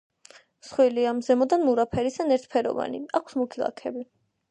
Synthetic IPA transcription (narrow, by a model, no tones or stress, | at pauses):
sχwiliamzɛmɔd̪anmuɾapʰɛɾisanɛɾt̪̚ʰpʰɛɾɔ̰va̰nḭakʰsmukʰilˠa̰kʰɛbi